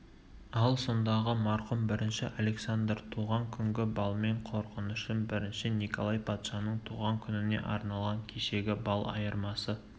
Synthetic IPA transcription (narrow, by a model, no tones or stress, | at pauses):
ɑlˠso̞nd̪ɑʁəmɑɾqʊmbɪɾɪnʃɪʔale̞ksand̪rt̪ʰuʁɑŋkʲʰʏŋɡʲɪbɑlˠme̞ɴqʰo̞ɾqənʏʃənbɪɾɪnʃɪnikʰo̞lˠɑjpʰɑt̪ʃɑnəɴt̪ʰuʁɑŋkʲʰʏnɪne̞̰ʔɑ̰ɾnɑlˠʁɑŋkʲʰeʃe̞ɡʲɪbɑlˠɑ̰jəɾmɑsə